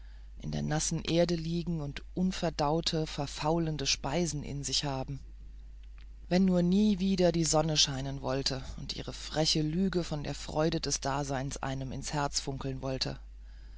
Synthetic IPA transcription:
ʔɪ̰ndḛːɐnasn̩ʔeːɐdəliːɡŋ̩ʊntʔʊnfɛɐdaʊtʰəfɛɐfaʊləndəʃpaɪzn̩ʔɪ̰nzɪçhaːbm̩ | vɛnːuːɐniːviːdɐdiːzɔnəʃaɪnənvɔltʰəʊntʔḭːʁ̞əfʁ̥ɛçəlyːɡəfɔndḛːɐfʁ̥ɔ̰ʏdədɛsd̥aːzaɪnsʔa̰ɪnəmɪ̰nshɛɐt͡sfʊŋkl̩nvɔltʰə̰

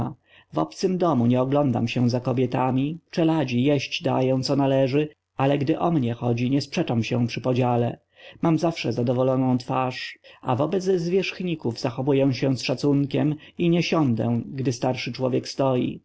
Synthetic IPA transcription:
vɔ̰pt̪sɘmd̪ɔmuɲɛɔɡlɔnd̪a̰mɕɛzakɔbʲjɛt̪amʲit͡ʂɛlad͡ʑijɛɕt͡ɕd̪a̰jɛ̃w̃t̪sɔnalɛʐɘ | alɛɡd̪ɘʔɔmɲɛxɔd͡ʑiɲɛspʂɛt͡ʂamɕɛ̃pʂɘpɔd͡ʑalɛ̰ | mamzafʂɛzad̪ɔvɔlɔnɔ̃w̃t̪faʂa̰vɔbɛd̪zzvʲjɛʂxɲikuvzaxɔvujɛ̃ɕɛ̃sʂat̪suŋkʲɛm | iɲɛɕɔnd̪ɛ̰̃ɡd̪ɘst̪aɾʂɘt͡ʂwɔvʲjɛkst̪ɔjḭ

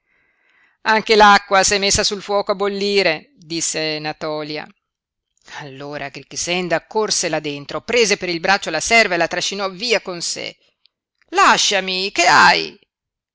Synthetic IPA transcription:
aŋk̟elakːwasɛmːesːasulfwɔːkoabːolːiːɾe | d̪isːenat̪ɔːlja̰ | alːoːɾaɡɾikisɛnd̪akorselad̪ent̪ɾopɾeːzepeɾilbɾat͡ʃːolasɛrvaelat̪ɾaʃːinɔviːakonsḛ | laʃːamikeaj

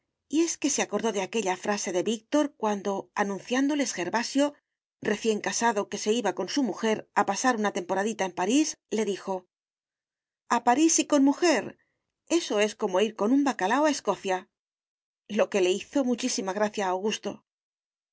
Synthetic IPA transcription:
ie̞ske̞seako̞ɾðo̞ðe̞ake̞ʎafɾase̞ðe̞βik̚t̪o̞ɾkwand̪o̞anũnθjand̪o̞lesxe̞ɾβasjo̞ | re̞θje̞ŋkasaðo̞ke̞se̞iβako̞nsumuxe̞ɾapasaɾunat̪e̞mpo̞ɾaðit̪aempaɾisle̞ðixo̞ | apaɾisiko̞nmuxe̞ɾ | e̞so̞e̞sko̞mo̞iɾko̞nũmbakalaoae̞sko̞θja | lo̞ke̞le̞iθo̞mut͡ʃisimaɣ̞ɾaθjaːwɣust̪o̞

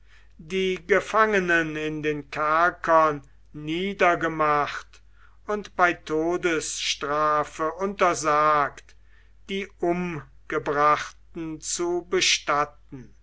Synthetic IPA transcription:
diːɡəfaŋənənɪndeːnkʰaɐkʰɐnː | iːdɐɡəmaχt | ʊntb̥aɪtʰoːdəsʃtʁaːfəʔʊntɐzaːkt | d̥iːʔʊm | ɡ̥əbʁaχtn̩t͡subəʃtat̚n̩

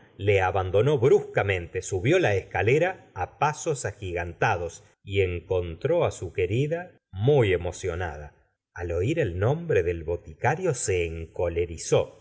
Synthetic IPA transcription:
le̞aβand̪o̞no̞βɾuskamẽ̞nt̪esuβjo̞laeskaleɾaːpaso̞saxiɣant̪aðo̞s | ieŋko̞nt̪ɾo̞asuke̞ɾiða | muje̞mo̞sjo̞na̰ð̞a | alo̞iɾe̞lnõ̞mbɾeðe̞lβo̞t̪ikaɾjo̞se̞ːŋko̞le̞ɾiso̞

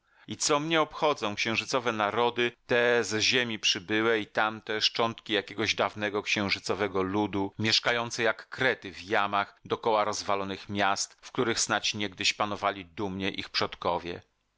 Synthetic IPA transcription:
it̪sɔmɲɛɔpxɔd̪zɔ̃w̃kɕɛ̃w̃ʐɘt̪sɔvɛnaɾɔd̪ɘt̪ɛzʑemʲipʂɘbɘwɛit̪amt̪ɛʂt͡ʂɔnt̪kʲijakʲɛɡɔʑd̪avnɛɡɔkɕɛ̃w̃ʐɘt̪sɔvɛɡɔlud̪umʲjɛʂkajɔnt̪sɛjakːɾɛt̪ɘvjamaxd̪ɔkɔwaɾɔzvalɔnɘxmʲjast̪fkt̪uɾɘxsnat͡ɕɲɛɡ̚d̪ɘɕpanɔvalʲid̪umɲɛʔḭxpʂɔt̪kɔvʲjɛ̰

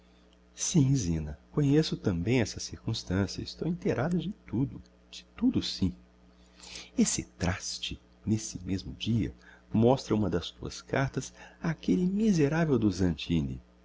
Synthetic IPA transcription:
sĩzĩnɐkõɲesʊt̪ɐ̃mbẽj̃ɛsɐsiɾkũst̪ɐ̃siɐ̰ɪst̪owĩnt̪eɾʔad̪ɐd͡ʒɪt̪ud̪ʊ | d͡ʒɪ̥t̪ud̪ʊsĩ | esɪ̰t̪ɾast͡ʃɪ | nesɪmezmʊd͡ʒiɐ̰mɔst̪ɾɐũmɐd̪ɐst̪uɐ̰skaɾt̪ɐsakelɪmizeɾavewd̪ʊzɐ̃nt͡ʃĩnḭ

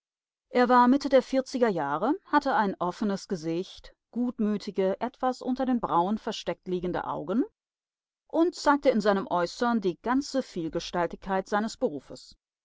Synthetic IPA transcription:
ʔeːɐvaːɐmɪtədeːɐfɪɐt͡sɪɡɐjaːʁəhatəaɪnʔɔfənəsɡ̥əzɪçt | ɡ̥uːtmyːtʰɪɡəʔɛtv̥asʔʊ̰ntɐdeːnbʁaʊənfɛɐʃtɛk̚tliːɡŋ̩də̰ʔa̰ʊɡn̩ | ʔʊnt̚t͡saɪk̚təɪnzaɪnəmʔɔʏsɐndiːɡant͡səfiːlɡəʃtaltɪçkʰːaɪtz̥aɪnəsb̥əʁuːfə̰s

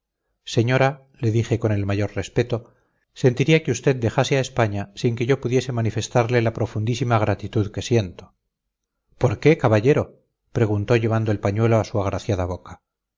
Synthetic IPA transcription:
seɲo̞ɾa | le̞ðixe̞ko̞ne̞lmaʝo̞ɾre̞spe̞t̪o̞ | se̞nt̪iɾiakeust̪e̞d̪̚d̪e̞xaseaespaɲasiŋke̞ʝo̞puðje̞se̞manife̞st̪aɾle̞lapɾo̞fund̪isimaɣɾat̪it̪uðke̞sje̞nt̪o | po̞ɾke̞kaβaʝe̞ɾo̞ | pɾe̞ɣunt̪o̞ʝe̞β̞and̪o̞e̞lpaɲwe̞loasuaɣ̞ɾʔaθjaðaβo̞kḁ

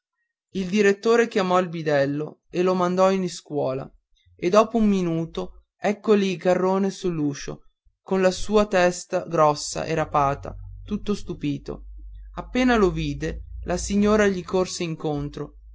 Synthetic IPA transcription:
ild̪iɾet̪ːoːɾekjamɔilbid̪ɛlːoelomand̪ɔiniskwɔːla̰ | ed̪ːɔːpoumːinuːt̪o | ɛkːolikarːoːnesulːuːʃo̰ | konlasuːat̪ɛst̪aɡɾɔsːa̰ʔeɾapaːt̪a̰t̪ut̪ːost̪upiːt̪o̰apːeːnaloviːd̪elʔasiɲːoːɾaʎikorseiŋkont̪ɾo

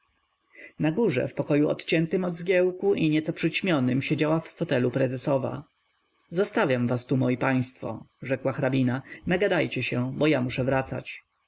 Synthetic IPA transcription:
naɡuʐɛ̰fpɔkɔjuɔ̰t̪t͡ɕɛnt̪ɘmɔd̪zɡʲjɛwkuʔiɲɛt̪sɔpʂɘt͡ɕmʲjɔnɘmɕed͡ʑawafːɔt̪ɛlupɾɛzɛsɔva̰ | zɔst̪avʲjamvast̪umɔjipaj̃st̪fɔ̰ʐɛkwaxɾabʲinanaɡad̪ajt͡ɕɛɕɛbɔjamuʂɛvɾat̪sa̰t͡ɕ

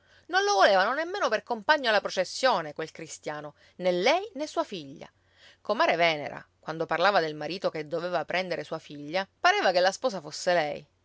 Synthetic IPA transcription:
nonlovoleːvanonemːeːnoperkompaɲːoalːapɾot͡ʃesːjoːnekwelkɾist̪jaːno | nelːɛjnesːuːafiʎːa̰ | komaːɾevɛːnḛɾa̰kwand̪oparlaːvad̪elmaɾiːt̪oked̪ːoveːvapɾɛnd̪eɾʔesuːafiʎːapaɾɛːvakelːaspɔːsafosːelɛj

